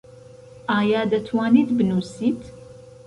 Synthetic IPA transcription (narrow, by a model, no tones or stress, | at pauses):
ʔaːjaːd̪ɐt̪ʰwaːniːt̪bɨnuːsiːt̪